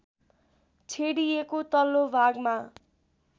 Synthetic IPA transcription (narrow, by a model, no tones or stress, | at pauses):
t͡sʰeɽijekot̪ʌlːobʱaɡma